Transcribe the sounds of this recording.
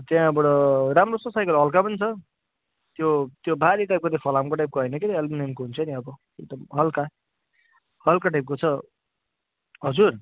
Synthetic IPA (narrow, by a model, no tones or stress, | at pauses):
t̪jãbʌɽʌɾamrososajkʌlɦʌlkapʌnit͡sʰʌ | t̪jot̪jobʱaɾiʈajp̚kod̪ekʰʌlamkoʈajp̚koɦʌjnʌket̪eʌlbinemkoɦunt͡sʰʌniʌbʌ | eɡ̚d̪ʌmɦʌlka | hʌlkaʈajp̚kot͡sʰʌ | ɦʌd͡zur